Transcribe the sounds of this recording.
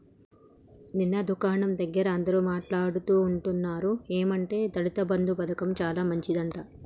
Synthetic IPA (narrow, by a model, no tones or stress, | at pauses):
ninːɐd̪ukaːɳɐmd̪ɐɡːɐɾɐːnd̪ɐɾuːmaːʈlaːɽut̪uːɳʈunːaːɾueːmɐɳʈe̞ːt̪ɐɽit̪ɐbɐnd̪ʱupɐd̪ɐkɐmt͡ʃaːlaːmɐɲt͡ʃid̪ɐɳʈɐ